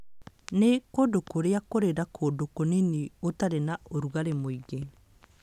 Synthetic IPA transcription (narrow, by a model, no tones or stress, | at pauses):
nekodokoɾeakoɾeɾakʰodokoneniotaɾenaoɾuɣaɾemoiɡe